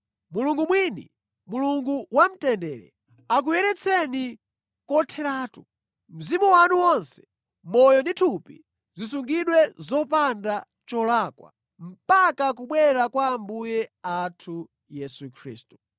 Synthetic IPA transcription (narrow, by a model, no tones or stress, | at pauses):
muluŋɡumwinḭ | muluŋɡuwam̩tɛndɛɾɛ̰ | ak̬ujɛɾɛt͡sʰɛni | kɔtʰɛɾaːtu | m̩zimuwanuwɔnsɛ̥ | mɔjɔnditʰupḭ | zisuŋɡiɗwɛzɔpanda | t͡ʃɔlakwa̰ | m̩pakakuɓwɛɾakwaːmbujɛatʰu | jɛsukʰɾḭːstu̥